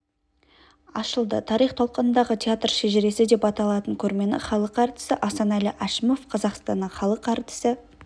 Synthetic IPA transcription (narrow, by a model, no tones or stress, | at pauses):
ɑʃəlˠd̪ət̪ʰɑɾijχt̪ʰo̞lˠqənənd̪ɑʁət̪ʲʰeat̪rʃeʒɪɾe̞sɪd̪e̞pɑt̪ɑlˠɑt̪əŋkʲʰɵɾme̞nɪ̰χɑlˠəqɑɾt̪ɪ̥səʔɑsɑnɑlɪʔæʃɪmo̞fqʰɑzɑqst̪ɑnːəɴχɑlˠəqɑɾt̪ɪ̥sɪ